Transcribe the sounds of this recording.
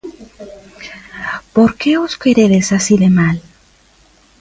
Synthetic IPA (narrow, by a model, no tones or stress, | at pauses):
poɾke̞oskeɾeðesasiðe̞mal